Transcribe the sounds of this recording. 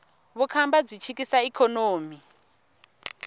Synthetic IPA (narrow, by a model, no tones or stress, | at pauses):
βukʰambab͡ʐʷit͡ʃʰikisaikʰɔnoːmi